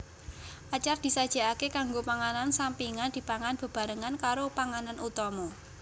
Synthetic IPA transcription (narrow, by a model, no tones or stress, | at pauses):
ʔat͡ʃard̪̥i̤sad̥ʒ̥a̤akekaŋɡopaŋanansampiŋand̥̪i̤paŋanb̥ə̤b̥a̤ɾəŋankaɾopaŋananʔut̪ɔmɔ